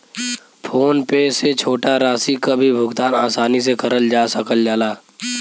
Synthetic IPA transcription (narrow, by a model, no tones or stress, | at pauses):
pʰoːnpeset͡ʃʰoːʈaɾaːsikabʱibʱʊɡt̪aːnaːsaːnis̬ekəɾəld͡ʒaːsəkəld͡ʒaːlaː